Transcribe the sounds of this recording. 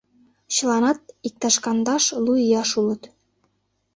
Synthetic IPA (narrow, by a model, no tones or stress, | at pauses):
t͡ɕə̆lɑnɑt̪̚ik̚t̪ɑʃkɑnd̪ɑʃluijɑʃulə̆t̪